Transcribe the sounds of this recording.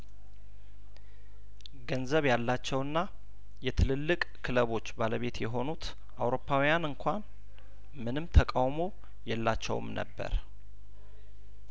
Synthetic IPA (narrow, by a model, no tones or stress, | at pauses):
ɡənzəβjalːat͡ʃːɛwɨnːa | jɛt̪ʰɨlɨlːɨkʼkʰɨləβo̞t͡ʃːbaləβe̞t̪jɛɦo̞nut̪ | ʔawɾo̞pʰːawjanɨŋkʷʰan | mɨnɨmt̪ʰəkʼawmo̞ | jɛlːat͡ʃːɛ̰wɨ̰mnə̰bːə̰ɾ